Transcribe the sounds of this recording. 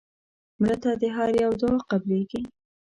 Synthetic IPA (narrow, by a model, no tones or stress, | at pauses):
mɾət̪ad̪əɦaɾjawd̪oqableɡi